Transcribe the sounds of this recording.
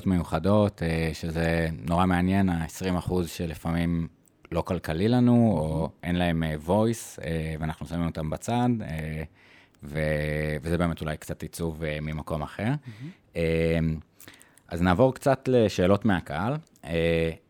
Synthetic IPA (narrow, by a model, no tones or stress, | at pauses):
tmejuχado̞tʰeʃezeno̞ʁameanje̞naesʁimaχuzʃelifamim | lo̞kalkalilanuoʔe̞nlae̞mevo̞jseveanaχnusavimo̞t̪ambat͡sade | vevezebeme̞tulajkt͡satit͡suvemimako̞maχe̞ʁ | em | ʔaznaːvo̞ʁkt͡satle̞ʃe̞ːlo̞tmeakaal | e